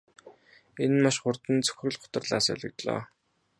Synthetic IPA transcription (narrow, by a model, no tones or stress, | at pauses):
enmaʃχʊrt̪ə̆nt͡sʰɵ̥xrɵ̆ɮχʊ̥t̪ə̆rɮa̰ːsœ̰ɮʲɪ̆kt̪ɮɔ̰ː